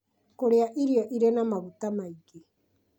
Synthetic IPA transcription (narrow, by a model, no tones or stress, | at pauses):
koɾeaʔiɾiaʔiɾenamaβut̪amajki